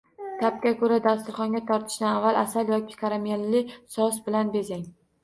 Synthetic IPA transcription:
t̪ʰap̚kʲakʰɵɾad̪ast̪ʊɾχɒŋɡʲat̪ʰɒɾt̪ʰɪ̥ʃd̪anavːalˠasaljɒkʲɪ̥kʰaɾamelːɪsɒsbɪlanbezaŋ

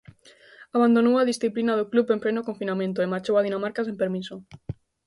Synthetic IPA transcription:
aβand̪onowaðisθiplinaðoklupemplenokoɱfinamẽnt̪̬oemaɾt͡ʃowaðinamaɾkas̬ẽmpeɾmiso

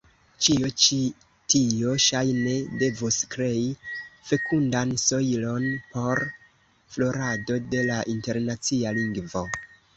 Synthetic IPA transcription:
t͡ʃio̞t͡ʃi | tio̞ʃajne̞de̞voskɾe̞ife̞kʰundanso̞ilo̞npo̞ɾ | flo̞ɾado̞de̞laʔinte̞ɾnat͡sialiŋɡvo̞

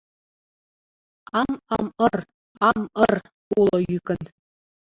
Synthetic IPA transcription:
ɑmɑmɤ̆r | ɑmɤ̆r | ulˠɤ̆jykɘ̆n

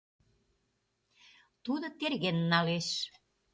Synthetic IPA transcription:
t̪ud̪ŏt̪erɣenːɑleʃ

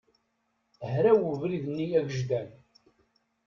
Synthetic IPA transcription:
ɦɾæwuvɾiðnːijæɡəʒd̪æn

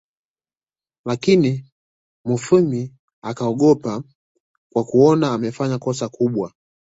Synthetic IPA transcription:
lakini | mufumi | akaɔɠɔpa | kwakuɔnaːmɛfaɲakɔsakuɓwa

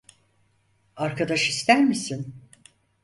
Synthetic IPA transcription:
aɾkʰad̪aʃist̪ʰæɾmisin

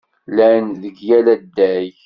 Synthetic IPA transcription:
lænðəɡjælæd̪ːæj

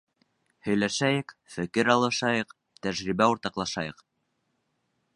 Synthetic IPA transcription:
hɵ̆jlæʃæjɘkfɘ̆kɘɾɑlˠɤ̆ʃɑjɤq | t̪æʒɾibæuɾt̪ɑqlˠɑʃɑjɤq

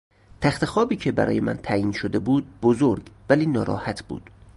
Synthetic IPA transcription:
t̪ʰæxt̪e̞xɒːbiːcʰe̞bæ̰ɾɒ̰ːje̞mæ̰nt̪ʰæjiːnʃod̪e̞buːd̪̚bozoɾɡvæliːnɒːɾɒ̰ːhæt̪ʰb̥ṵːd̪̥

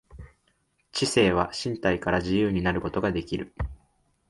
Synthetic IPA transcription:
t͡ɕise̞ːβ̞aɕĩnt̪aikaɾaʑijɯːɲ̟inaɾɯ̟ko̞t̪o̞ɡad̪e̞kʲiɾɯ̟

